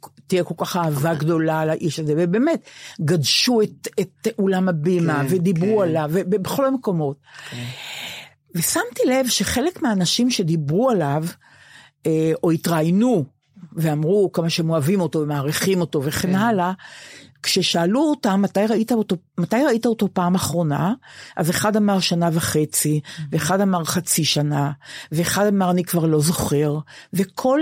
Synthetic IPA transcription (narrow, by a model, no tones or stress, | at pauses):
tijeko̞lkaχaːvaɡdo̞lalaʔiʃazevebeːmetɡadʃuetetʔolamabimavedibʁualavːebebeχo̞lameko̞mo̞t̚ | ve̞samtile̞vʃe̞χe̞le̞kmeaːnaʃimʃe̞dibʁualav | eo̞itʁajnu | veamʁukamaʃemoavimo̞to̞vemaːʁiχimo̞to̞veχenala | kʃe̞ʃaːluotamːatajʁaitaotomatajʁaitaoto̞paːmaχʁo̞na̰ʔazeχadamaʁʃanavaχe̞t͡siveːχadamaʁχat͡siʃanaveːχadamaʁanikvaʁlo̞zo̞χe̞ʁve̞kʰo̞l